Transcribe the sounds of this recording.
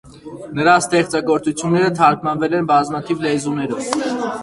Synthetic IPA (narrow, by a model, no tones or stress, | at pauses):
nəɾɑst̪ɛχt͡sɑɡɔɾt͡sut͡sʰjunːɛɾət̪ʰɑɾkʰmɑnvɛlɛnbɑzmɑt̪ʰivlɛzunɛɾɔv